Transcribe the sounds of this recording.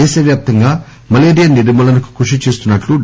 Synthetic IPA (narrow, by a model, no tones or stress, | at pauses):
eːsɐʋjaːp̚t̪ɐŋɡaː | mɐleːɾijɐniɾimɐlɐnɐku̥kuʂit͡ʃe̞ːst̪unːɐʈlu